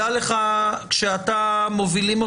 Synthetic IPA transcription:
ale̞χakʃeatamo̞vilimo

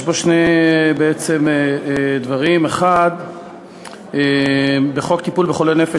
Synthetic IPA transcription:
ʃboʃnejbeet͡se̞meed̪vaʁimeχad̪ | ebeχo̞kt̪ipulbeχolenefe

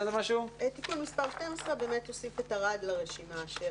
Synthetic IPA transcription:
zemaʃut̪ikulmispaʁʃtemosʁebe̞ːmeto̞sifetaʁadlaʁeʃimaʃe

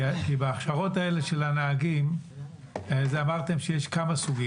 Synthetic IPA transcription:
kibaːχʃaʁo̞tae̞le̞ʃe̞lanaːɡim | zeamaʁt̪e̞mʃejeʃkamasuɡim

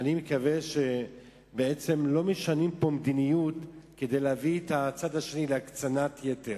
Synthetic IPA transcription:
animekave̞ʃe̞ | bee̞t͡se̞mlo̞meʃanimpo̞md̪inijutke̞d̪e̞jleaviet̪at͡sad̪haʃe̞nileakt͡sanat̪jeteʁ

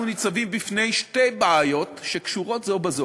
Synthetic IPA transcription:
unit͡savimbifne̞jʃte̞jbeajo̞tʃekʃuʁo̞tzobazo

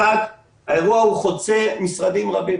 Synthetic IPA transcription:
ak | hae̞ʁuahuχot͡semisʁad̪imʁabi

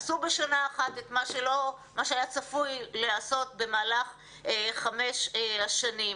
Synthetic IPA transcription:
subeʃanaːχat̪et̪maʃe̞lo̞maʃeajat͡safujleaso̞tbe̞maːlaχ | eχameʃaʃanim

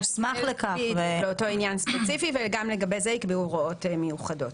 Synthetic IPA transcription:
smaχlekaveleoto̞injanspet͡sifivelɡamleɡabe̞jzeikbiuʁoo̞tmejuχado̞t

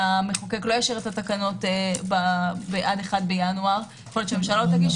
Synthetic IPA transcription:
ameχokeklo̞jaʃeʁet̪atakano̞tbabeʔadeχadbejanuaʁ | χolot͡ʃememʃalot̪aɡiʃ

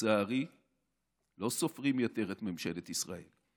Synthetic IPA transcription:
aːʁi | lo̞so̞fʁimjot̪e̞ʁet̪memʃe̞let̪isʁae̞l

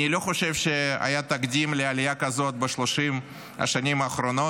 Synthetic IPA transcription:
nilo̞χo̞ʃe̞vʃea̰jat̪aɡd̪ʲimlɪalʲɪjakɐzo̞t̪̚beʃloʃim | ɐ̰ʃanʲimɐːχɾono

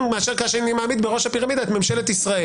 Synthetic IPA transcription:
ŋmeaʃeʁkaʃeanimaːmid̪beʁo̞ʃapiʁamid̪aetmemʃe̞let̪isʁae

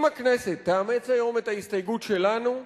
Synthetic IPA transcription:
maknɛset̪ːaamet͡sajo̞met̪aist̪ajɡut̪ʃelanu

